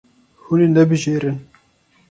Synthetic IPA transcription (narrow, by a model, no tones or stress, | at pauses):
huneːnɛbɨʒeːɾɨn